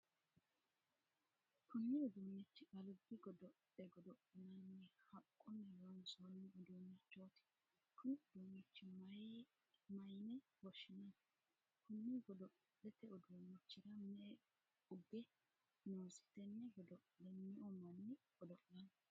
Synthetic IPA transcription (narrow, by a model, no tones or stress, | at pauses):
kʊnːɪɔd̪uːnːɛt͡ʃːɪkɐlʊbːɪɡɔd̪ɔ | ɛɡɔd̪ɔʔɪnɐnːɛhɐkʼːɔnːɛjwɐnsonːɪɔd̪oːnːɛt͡ʃːoːt̪ɪ̥ | kʊnɪʊd̪uːnːɛt͡ʃːɪmɐj | mɐjnɛbɔʃɪnɐn | kʊnːɪɡɔd̪ɔ | ɗɛt̪ɛʊd̪oːnːɛt͡ʃːɪɾɐmɛ | ʊbːɪ | noːsɪ̥t̪ɛnːɛɡɔd̪ɔʔlɛnːɪʔɔmɐnːɪɡɔd̪ɔʔlɐn